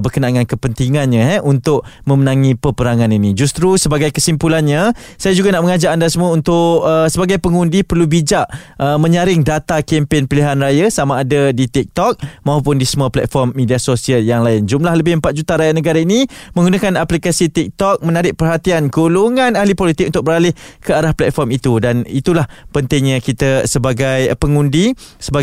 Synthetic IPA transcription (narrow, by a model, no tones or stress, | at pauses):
bərkənaŋankəpənt̪iŋanɲãɦɛʔunt̪ʊʔ̚mə̃mənãŋipəpəɾaŋaninid͡ʒust̪ɾusəbaɡajkəsimpulanɲasajad͡ʒuɡanaʔməŋad͡ʒaʔandasəmuaunt̪ʊʔəsəbaɡajpəŋundipərlubid͡ʒaʔəmə̃ɲaɾɪŋdat̪akɛmpenpiliɦanrajasamaːdadit̪ik̚t̪ɔk̚maɦupʊndisəmuaplɛ̰t̪̚fɔrmːidiasosiəljaŋlaɪnd͡ʒumlahləbɪhəmpat̪̚d͡ʒut̪aɾajanəɡaɾainimə̃ŋɡunakanaplikasit̪ik̚t̪ɔk̚mənaɾɪʔ̚pərɦat̪ianɡuluŋãnahlipolit̪ɪk̚unt̪ʊk̚bəɾalɪhkəaɾahplɛt̪̚fɔrmit̪udanit̪ulahpənt̪ɪŋɲakit̪əsəbaɡajpəŋundi | səba